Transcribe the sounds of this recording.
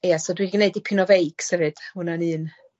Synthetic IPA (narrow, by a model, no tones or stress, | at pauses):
jɛsɔdwiɡneɨdipʰɪnɔvejkʰsɛvɨd̥hʊnanɨːn